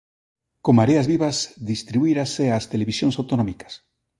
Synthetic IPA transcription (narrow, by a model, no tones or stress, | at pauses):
komaɾeazβiβasðist̪ɾiβuiɾaseast̪eleβisjõŋsawt̪onɔ̃mikḁs